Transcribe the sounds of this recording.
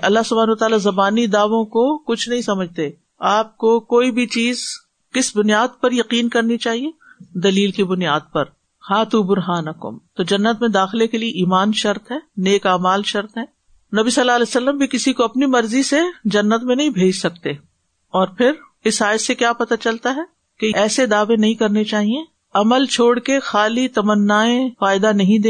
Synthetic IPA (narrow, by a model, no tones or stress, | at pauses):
ʔɐlːaɦsʊbʱaːnɐwɐt̪aːlazɐbaːnid̪aːʋõkokʊt͡ʃʰnɐɦĩsɐməd͡ʒʱt̪e | aːp̚kokoːibʱit͡ʃiːz | kɪsbʊnjaːd̪̚pɐɾjɐqiːnkɐɾnit͡ʃaːɦied̪ɐliːlkibʊnijaːd̪̚pɐɾ | haːt̪ubʊɾɦaːnɐkʊ̰mt̪od͡ʒɐnːət̪mẽd̪aːxɪlekelieʔiːmaːnʃɐɾt̪ɦɛːneːkaːmaːlʃɐɾt̪ɦɛː | nɐbisɐlːaːɐlɛːsɐlːəmbʱikɪsikoɐpnimɐɾzised͡ʒɐnːət̪mẽnɐɦĩbʱeːd͡ʒsɐk̚t̪eː | ɔːɾpʰɪɾ | ɪsaːjt̪sekjaːpɐt̪at͡ʃɐlt̪aɦɛ | keɛːsed̪aːʋẽnɐɦĩkɐɾnet͡ʃaːɦiẽ | ɐməlt͡ʃʰoːɽkexaːlit̪ɐmənːaːẽfaːɪd̪anɐɦĩd̪eː